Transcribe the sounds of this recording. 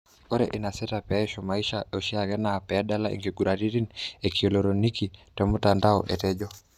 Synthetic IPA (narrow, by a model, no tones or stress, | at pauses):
ɔɾɛ̰ʔinasɛtapɛɛʃɔmaiʃaɔʃiaɣɛnaːpɛaɗalaʔḭŋɡiɡuɾaɾiɾinɛkiɔlɔɾɔnikitɛmutandaɔ̰ʔɛtɛʄɔ